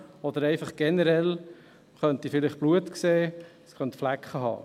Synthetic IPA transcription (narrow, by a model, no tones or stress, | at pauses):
ɔd̥̪əɾɛɪfɑχɡ̥ɛnəɾɛl | χœnt̪ifɪlɪχb̥luətkseː | sχœntflækχəɦɑ̰ː